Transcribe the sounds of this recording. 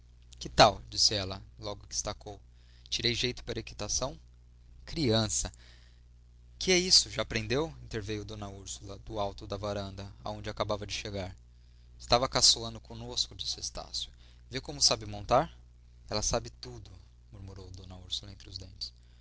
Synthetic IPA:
kɪt̪awd͡ʒisɪɛlɐlɔɡʊkɪ̥ɪst̪akow | t͡ʃiɾejʒejt̪ʊ̥paɾɐekit̪asɐ̃w̃ | kɾiɐ̃sɐ | kɪɛisʊʒaːpɾẽnd̪ewĩnt̪eɾvejʊd̪õnɐuɾsulɐd̪ʊawt̪ʊd̪ɐvaɾɐ̃nd̪ɐa̰õd͡ʒɪakabavɐd͡ʒɪʃeɡaɾ | ɪst̪avɐkasoɐ̃nd̪ʊkʰõnoskʊd͡ʒisɪʊest̪a̰sjʊ | vekõmʊsabɪmõnt̪aɾ | ɛlɐsabɪt̪ud̪ʊ | muɾmuɾowd̪õnɐuɾsulɐẽnt̪ɾɪʊzd̪ẽnt͡ʃɪ̥s

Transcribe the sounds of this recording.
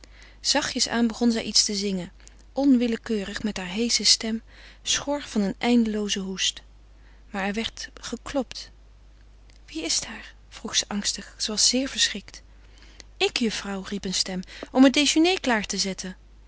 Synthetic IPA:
z̥ɑχjəsa̰ːnbəχɔnzɛjʔitstəzɪŋən | ʔɔnʋɪləkøːrəχmɛtɦaːɹɦejsəstɛm | sχɔɹvɑnənʔɛjndəlowzəɦust | maːɹɛɹʋɛɹtχəklɔpt | ʋiɪstɦaːɹ | v̥ruχsəʔɑŋstəχsəʋɑsz̥ɪːɹv̥əɹsrɪkt | ɪkjəfrɑwripənstɛmɔmət̚dejʒənejklaːɹtəzɛtʰən

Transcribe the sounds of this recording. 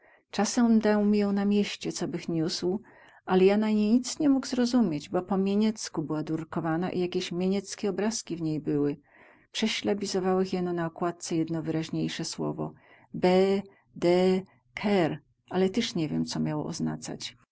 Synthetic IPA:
t͡ʂasɛmd̪awmʲijɔ̃w̃namʲjeɕt͡ɕɛt̪sɔbɘxɲusw | ʔalɛjanaɲejɲit̪sɲɛmuɡzɾɔzumʲjed͡ʑbɔpɔmʲjeɲɛt̪skubɘwad̪uɾkɔvana̰ʔḭjakʲeɕmʲjeɲɛt̪skʲɛɔbɾaskʲivɲejbɘwɘ | pʂɛɕlɛbʲizɔvawɛxjɛnɔnaɔkwat̪̚t̪sɛjɛd̪nɔvɘɾaʑɲejʂɛswɔ̰vɔ̰ | bɛ | d̪ɛ | kʰɛɾ | ʔalɛt̪ɛʂɲɛvʲjɛmt̪sɔmʲjawɔ̰ɔ̰zna̰t̪sa̰t͡ɕ

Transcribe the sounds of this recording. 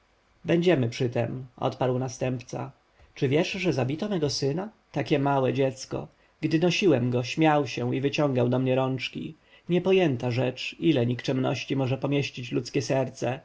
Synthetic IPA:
bɛɲd͡ʑɛmɘpʂɘt̪ɛmɔ̰t̪paɾwnast̪ɛmpt̪sa̰ | t͡ʂɘvʲjɛʂʐɛzabʲit̪ɔmɛɡɔsɘnat̪akʲɛmawɛd͡ʑɛt̪skɔ̰ | ɡd̪ɘnɔɕiwɛmɡɔɕmʲjawɕɛivɘt͡ɕɔ̃ŋɡawd̪ɔmɲɛɾɔnt͡ʂkʲḭ | ɲɛpɔjɛnt̪aʐɛt͡ʂilɛɲikt͡ʂɛmnɔ̰ɕt͡ɕimɔʐɛpɔmʲjeɕt͡ɕit͡ɕlut̪skʲɛsɛɾt̪sɛ

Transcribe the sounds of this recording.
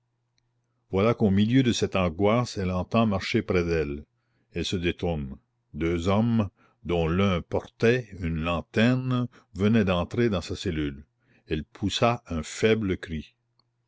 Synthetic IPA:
vwalakomiljød̪əsɛt̪ɑ̃ɡwasɛlɑ̃t̪ɑ̃maʁʃepɾɛd̪ɛl | ɛlsəd̪et̪uʁn | d̪øːzɔm | d̪ɔ̃lœ̃pɔʁt̪ɛynlɑ̃t̪ɛʁn | vənɛd̪ɑ̃t̪ɾed̪ɑ̃saselyl | ɛlpʰusaʔɛ̃fɛbləkɾi

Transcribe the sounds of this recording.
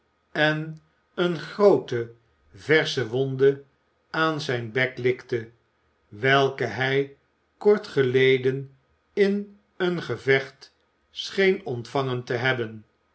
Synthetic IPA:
ɛn | ənχrowtə | vɛɹsəʋɔndə | aːnzɛjnbɛklɪktə | ʋɛlˠkəɦɛj | kɔɹtχəlejdən | ɪn | ənχəvɛχt | sχejnɔntfɑŋəntəɦɛbən

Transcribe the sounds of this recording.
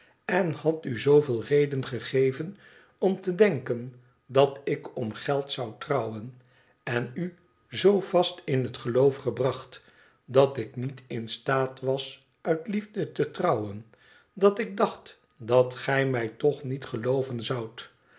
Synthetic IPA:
ɛnhɑtyzowvɪːlˠrejdənχəχejvən | ɔmtədɛŋkən | dɑtɪkɔmχɛlˠtsʌwtrɑwən | ɛny | zowv̥ɑstɪnɦətχəlowfχəbrɑχt | dɑtɪknitɪnstaːtʋɑs | œɥtlivdətətrɑwən | dɑtɪɡ̚dɑχt | dɑtχɛjmɛjtɔχnitχəlowvənzʌwt

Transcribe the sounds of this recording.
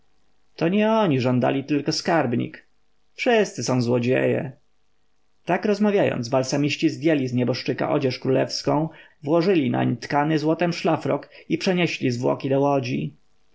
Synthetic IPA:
t̪ɔɲɛɔɲiʐɔnd̪a̰lʲit̪ɘlkɔskaɾbɲḭk | fʂɘst̪sɘsɔ̃w̃zwɔd͡ʑḛjɛ̰ | t̪akɾɔzmavʲjajɔ̰̃nd̪zbalsamʲiɕt͡ɕizd̪ʲjɛlʲizɲɛbɔʂt͡ʂɘka̰ʔɔd͡ʑɛʂkɾulɛfskɔ̃w̃ | vwɔʐɘlʲina̰ɲt̪kanɘzwɔt̪ɛmʂlafɾɔkipʂɛɲɛɕlʲizvwɔ̰kʲid̪ɔwɔd͡ʑi

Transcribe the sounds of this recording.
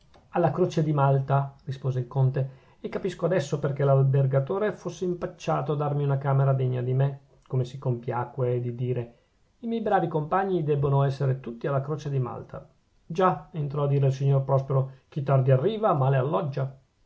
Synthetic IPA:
alːakɾoːt͡ʃed̪imalt̪arispoːzeilkont̪e | ekːapiskoad̪ɛsːoperk̟elalberɡat̪oːɾefosːeimpat͡ʃːaːt̪oad̪armiunakaːmeɾad̪eɲːad̪ime | komesikompjaːkwed̪id̪iːɾe | imjɛjbɾaːvikompaɲːid̪ɛbːonoɛsːeɾet̪ut̪ːialːakɾoːt͡ʃed̪ima̰lt̪ʰa̰ | d͡ʒaent̪ɾɔad̪ːiːɾeilsiɲːorpɾɔspeɾok̟it̪ːard̪iarːiːvamaːlealːɔd͡ʒːa

